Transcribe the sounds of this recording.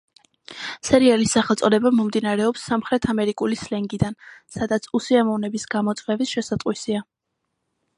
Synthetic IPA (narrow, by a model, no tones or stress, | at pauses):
sɛɾialisːaχɛlˠt̪sʼɔd̪ɛbamɔmd̪inaɾɛɔpsːamχɾɛt̪ʰamɛɾikʼulislɛŋɡid̪ansad̪at̪sʰusiamɔvnɛbisɡ̥amɔt̪sʼwɛvisʃɛsat̪ʼqʼwisia